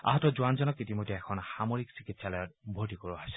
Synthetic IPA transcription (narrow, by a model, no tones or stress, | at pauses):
a̰ɦɔtɔzuanzɔnɔkitimojdʱɛɛkʰɔnxamoɹiksikitsalɔjɔt̚bʱotikoɹuajsɛ̥